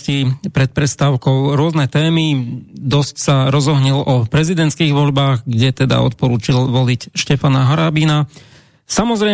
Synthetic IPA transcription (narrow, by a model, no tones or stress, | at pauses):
cipɾɛt̪̚pɾɛst̪aːʊkɔʊɾʊɔznɛt̪ɛːmid̪ɔscsaɾɔzɔɦɲilɔpɾɛzid̪ɛnt̪skiːɣʋɔʎbaːɣɡɟɛt̪ɛd̪a̰ɔ̰t̪̚pɔɾuːt͡ʃilʋɔlicʃcɛfanaɦɔɾaːbina | samɔzɾɛ